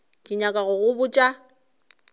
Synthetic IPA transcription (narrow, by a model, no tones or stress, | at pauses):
kʼɪɲakʼaɣʊɣʊbʊt͡ʃʼa